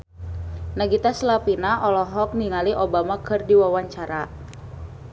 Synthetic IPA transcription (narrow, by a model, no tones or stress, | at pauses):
naɡit̪aslapinaʔɔlɔɦɔk̚niŋaliʔobamakʰɨrdiwawaɲt͡ʃaɾa